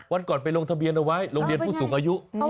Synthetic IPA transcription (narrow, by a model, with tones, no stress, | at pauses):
wa˧nkɔː˨˩npa˧jlo˧ŋt̪ʰa˧bi˧ənʔa˧wa˦˥jlo˧ŋli˧ənpʰuː˥˩suː˩˦ŋʔaː˧ju˦˥ʔ